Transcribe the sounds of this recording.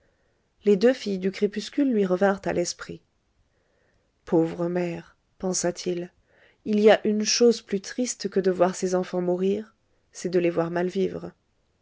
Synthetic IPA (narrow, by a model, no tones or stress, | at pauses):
led̪øfijd̪ykχepyskʲylːɥiʁəvɛ̃ʁt̪a̰lʔɛspχi | pʰovʁəmɛʁ | pɑ̃sat̪ʰil | iliaʔynʃozplyt̪χist̪kəd̪əvwaʁsezɑ̃fɑ̃muʁiʁ | sɛd̪əlevwaʁmalvivʁ